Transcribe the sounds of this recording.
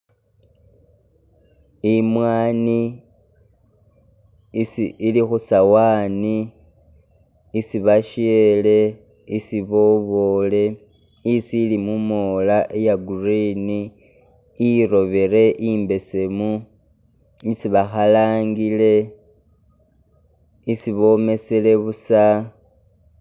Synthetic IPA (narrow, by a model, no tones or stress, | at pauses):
imwaːni | isiːlixusawaːni | siβaʃiele̞ | isiβo̞βo̞le̞ | isiːlimumolaʔejaɡurini | iɾo̞βe̞ɾe̞ʔimbe̞se̞mu | isiβaxalaːŋɡile̞ | isiβo̞me̞se̞le̞βusa